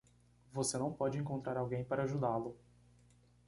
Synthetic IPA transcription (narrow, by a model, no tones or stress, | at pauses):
vosenɐ̃w̃pɔd͡ʒɪẽŋkõnt̪ɾaɾawɡẽj̃paɾɐaʒud̪alʊ